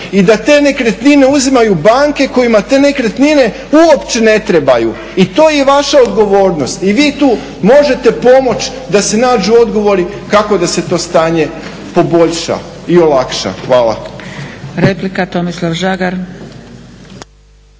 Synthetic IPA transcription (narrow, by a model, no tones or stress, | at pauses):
id̪at̪e̞ːne̞kɾet̪nine̞uzimajubaːŋke̞ko̞jimat̪e̞ːne̞kɾet̪nine̞ | uopt͡ʃe̞ne̞t̪ɾe̞baju | it̪o̞ːjeʋaʃaod̪ɡo̞ʋo̞ːɾno̞st̪iʋiːt̪uː | mo̞ʒe̞t̪e̞po̞mo̞t͡ɕ | d̪ase̞naːd͡ʒuo̞d̪ɡo̞ʋo̞ɾi | kako̞d̪ase̞t̪o̞ːst̪aːɲe̞ | po̞bo̞ʎʃa̰io̞lˠakʃa̰xʋaːla̰ | ɾeplikat̪omislˠaʋʒaɡaɾ